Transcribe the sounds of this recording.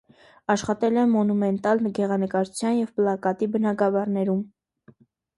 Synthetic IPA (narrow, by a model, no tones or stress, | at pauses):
ɑʃχɑt̪ɛlɛmːɔnumɛnt̪ɑlnɡɛʁɑnəkɑɾut͡sʰjɑnjɛvplɑkɑt̪ibənɑɡɑvɑɾnɛɾum